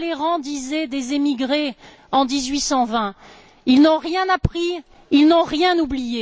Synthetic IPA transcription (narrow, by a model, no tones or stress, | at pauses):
leʁɑ̃d̪izɛd̪ezemiɡʁe | ɑ̃d̪izɥisɑ̃vɛ̃ | ilnɔ̃ʁjɛ̃napχi | ilnɔ̃ʁjɛ̃nublije